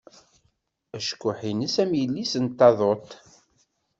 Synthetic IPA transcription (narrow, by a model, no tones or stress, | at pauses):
æʃkʷːʊħinəsæmjəlːisənt̪ːɑðˤot̪